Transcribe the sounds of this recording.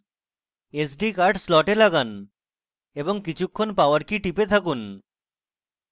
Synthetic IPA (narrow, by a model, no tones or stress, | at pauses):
esɖikaɾɖslɔʈelaɡan | eboŋkit͡ɕʰukʰːonpaoaɾkiʈipet̪ʰakun